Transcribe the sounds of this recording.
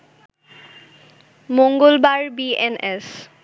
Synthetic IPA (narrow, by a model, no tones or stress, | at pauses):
moŋɡolbaɾbienes